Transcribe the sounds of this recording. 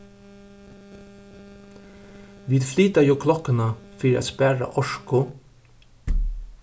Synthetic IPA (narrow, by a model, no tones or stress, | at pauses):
ʋiːd̪fliːt̪ajukʰlɔkːanafiːɾɪɛ̰t̪spæːɹa̰ʔɔʂkʊ